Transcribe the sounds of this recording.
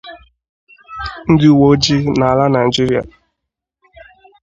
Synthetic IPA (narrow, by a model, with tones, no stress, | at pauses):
n̩˦dɪ˦u˦˨wo˦d͡ʒi˦na˨a˨la˦na˨ɪ˨d͡ʒi˦ɾi˦a̰˨